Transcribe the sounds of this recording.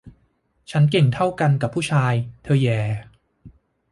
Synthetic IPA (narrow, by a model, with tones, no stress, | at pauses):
t͡ɕʰa˦˥nke˨˩ŋt̪ʰa˥˩wka˧nka˨˩pʰːuː˥˩t͡ɕʰaː˧jt̪ʰɤː˧jɛː˨˧˩